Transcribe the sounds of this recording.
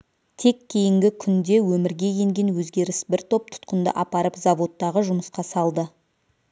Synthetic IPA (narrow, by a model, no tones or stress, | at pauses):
t̪ʰe̞kʲʰːe̞jɪŋɡʲɪkʲʰʏnd̪e̞wɵmɪɾɡʲe̞je̞ŋɡʲe̞nwɵzɡʲe̞ɾɪsbɪɾt̪ʰo̞p̚t̪ʰʊ̥t̪qənd̪ə̰ʔɑpɑɾəpzɑvo̞t̪ːɑʁəʒʊməsqɑsɑlˠd̪ə